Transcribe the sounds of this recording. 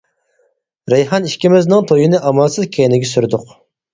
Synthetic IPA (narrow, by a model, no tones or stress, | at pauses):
ɾɛjhɑniʃkʲimɪznɨŋt̪ʰojinɨʔɑmɑlˠsɨzkʲʰɛnɪɡʲɛsyɾd̪ʊq